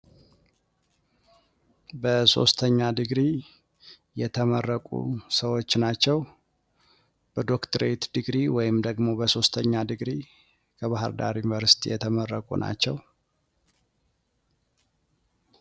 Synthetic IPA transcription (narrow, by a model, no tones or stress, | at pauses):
bəso̞̰st̪ʰəɲːad̪ɨɡɾi | jɛt̪ʰəmərːəkʼṵsəwo̞t͡ʃːnat͡ʃːɛw | b̥əd̪o̞kt̪ʰəɾet̪d̪ɨɡɾiwɔjɪmd̪əɡmo̞bəso̞st̪ʰəɲːad̪ɨɡɾi | kʰəβaɦɨɾd̪a̰ɾjunvəɾsi̥t̪ʰḭjɛt̪ʰəmərːəkʼṵnʔa̰t͡ʃːɛw